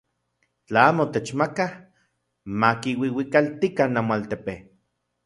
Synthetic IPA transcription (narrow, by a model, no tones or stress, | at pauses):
t͡ɬaaːmot̪et͡ʃmakah | makiwiwikalt̪ikanːamoalt̪epe